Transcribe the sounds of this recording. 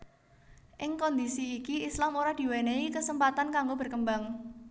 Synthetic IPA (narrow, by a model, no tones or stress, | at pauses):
ʔɪŋkɔnd̪isiːkiislamoɾad̪̥i̤weneikəsəmpat̪ankaŋɡobə̤rkəmbaŋ